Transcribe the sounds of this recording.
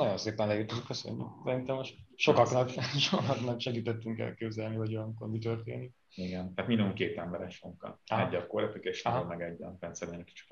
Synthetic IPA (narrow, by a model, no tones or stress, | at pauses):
nɒɟo̞nseːp̪ɛnlɛirt̪ozykːøsø̰ɲːy̰ksɛɾint̪ɛmːoʃt̪ʃo̞kɒknɒkʃokɒknɒkʃɛɡiːt̪ɛt̪ːyŋkɛ̰lkeːbzɛlnivɒɟojɒmkormit̪ø̞rt̪ḛːnik | iɡɛnt̪æaːt̪mind̪oukeːt̪ɛmbɛɾɛʃoŋkɒ̰ɦɛɟːɒkoɾɛp̪ykeːʃlɒɦomɛɡɛɟːɛfɛnsɛɾmeɲki̥t͡ʃi̥